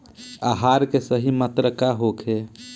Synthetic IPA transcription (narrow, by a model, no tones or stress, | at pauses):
aɦaɾkesəɦimət̪ɾəkaɦokʰe